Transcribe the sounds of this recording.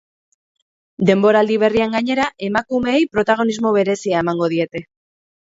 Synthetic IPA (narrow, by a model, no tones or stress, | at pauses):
d̪e̞mbo̞ɾald̪iβ̞e̞riaŋɡaɲe̞ɾaʔe̞makume̞ːjpɾo̞t̪aɣ̞o̞nizmo̞βe̞ɾe̞siae̞maŋɡo̞ð̞ie̞t̪e̞